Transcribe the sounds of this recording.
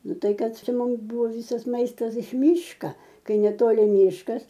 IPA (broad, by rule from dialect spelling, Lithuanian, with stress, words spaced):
ˈnʊ ˈtɐɪ ˈkɐt ˈt͡ʃʲɛ ˈmʊms ˈbuːʋoː ˈʋʲiːsɐs ˈmɐɪstɐs ɪʃ ˈmʲiːʃkɐ ˈkɐɪ nʲɛˈtoːlʲɪ ˈmʲiːʃkɐs